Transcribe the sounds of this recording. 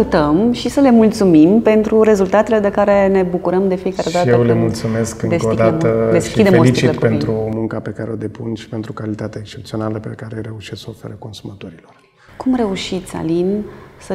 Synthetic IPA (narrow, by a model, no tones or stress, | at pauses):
ut̪əmʃisəle̞mult̪sumimpe̞nt̪ɾuɾe̞zult̪at̪e̞le̞d̪e̞kaɾe̞ne̞bukuɾəmd̪e̞fije̞kaɾed̪at̪jewlemult̪sume̞skɨŋd̪eskod̪at̪əd̪esʃkid̪eeolsit͡ʃ̪iilet̪pe̞nt̪ɾumuŋkape̞kaɾeod̪e̞pṵnʃi̥pe̞nt̪ɾukalit̪at̪eekst͡ʃe̞pt̪sio̞naləpekaɾeɾe̞uʃissəofe̞ɾəko̞nsumat̪oɾilor | kumre̞uʃit̪sʲa̰linsə